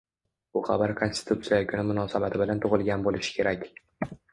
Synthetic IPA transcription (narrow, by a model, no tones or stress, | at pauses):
ʊχɑbaɾkʰo̞nst̪ɪ̥t̪ʰut̪sijakʰʲʊnɪmʊnɒsabat̪ʰɪbɪlant̪ʰʊʁɨlˠɡʲanbolɪʃɪ̥kʲʰe̞ɾakʲ